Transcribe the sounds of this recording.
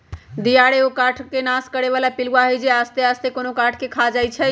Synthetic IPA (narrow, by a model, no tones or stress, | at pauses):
d̪ijaɽeokaʈʰkenaskəɽeβalapiluaɦojd͡ʒeast̪east̪ʰekonokaʈʰkekʰad͡ʒajt͡ʃʰɛ